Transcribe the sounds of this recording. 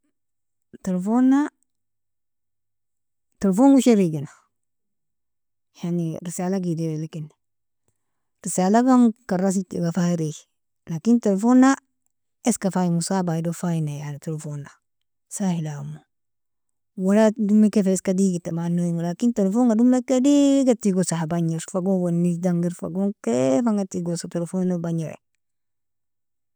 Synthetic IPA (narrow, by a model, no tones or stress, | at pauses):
telfonːa | telfoŋɡuʃeɾiɡina | janiɾisaːlaɡidewelikin | ɾisaːlaɡaŋkaɾas̬itiɡafaɾi | lakintelfona | eskafajiŋusabaidofainajanatelefona | sahilamo | waladumekefeskadiɡitamanːojiŋulakintelefoŋɡadumekːediɡatiɡosahabaɲiɾfaɡowonisdaŋɡiɾfa̰ɡoŋkefaŋɡatiɡosatelfonobaɲeɾḛ